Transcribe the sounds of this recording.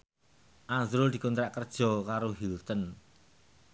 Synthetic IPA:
ʔazɾʊld̪̥i̤kunt̪ɾaʔkərd̥ʒ̥ɔ̤kaɾoɦilt̪ən

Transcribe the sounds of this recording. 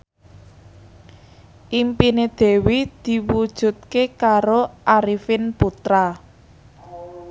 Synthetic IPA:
ʔimpined̪̥e̤wid̪̥i̤wud̥ʒ̥ṳt̪̚kekaɾoʔaɾifɪnput̪ɾa

